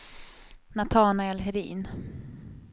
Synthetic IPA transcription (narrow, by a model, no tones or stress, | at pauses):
nat̪ʰɑːnaɛlɦɛɾḭːn